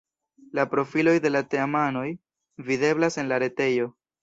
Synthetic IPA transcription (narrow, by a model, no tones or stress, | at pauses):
lapɾo̞filo̞jde̞late̞amano̞j | vide̞blase̞nlaɾe̞te̞jo̞